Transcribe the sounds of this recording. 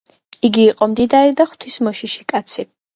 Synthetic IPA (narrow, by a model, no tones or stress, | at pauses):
iɡiːqʼɔmd̪id̪aɾid̪aχwt̪ʰismɔʃiʃikʼat̪sʰi